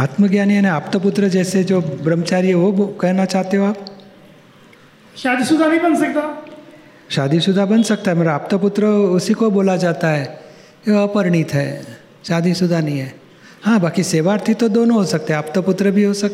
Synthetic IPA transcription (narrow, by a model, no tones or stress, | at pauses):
aːt̪məɡjaːniɛneaːpt̪op̬ʊt̪ɾəd͡ʒɛːsed͡ʒoːbɾəmːət͡ʃaːɾiɦɛʋokɛɦnat͡ʃaːɦt̪eɦoaːp | ʃaːd̪isʊd̪ʱanəĩbənsɐk̚t̪a | ʃaːd̪isʊd̪ʱabənsɐk̚t̪aɦɛmeɾaaːp̚t̪opʊt̪ɾəʊsikoboːlad͡ʒaːt̪aɦɛ | keəpəɾɳ̃it̪ɦɛ̰ | ʃaːd̪isʊd̪ʱanəɦĩɦɛː | hãːbaːkiseːʋaːɾt̪ʰit̪od̪oːnoɦosək̚t̪eɦɛaːp̚t̪opʊt̪ɾəbʱiɦosɐk̚t̪e